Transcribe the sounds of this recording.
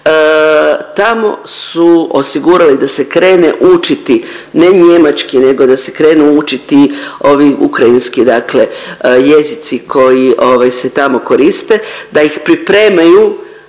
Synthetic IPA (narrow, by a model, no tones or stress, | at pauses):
t̪amo̞̰suo̞siɡuɾalid̪ase̞kɾe̞ːnḛʔut͡ʃit̪i | ne̞ɲe̞mat͡ʃkine̞ɡo̞d̪ase̞kɾe̞ːnuut͡ʃit̪io̞ʋiʔṵkɾainskid̪akle̞je̞zit̪sikʰo̞jiʔo̞ʋajse̞t̪amo̞ko̞ɾist̪e̞d̪aixpɾipɾe̞ːmaju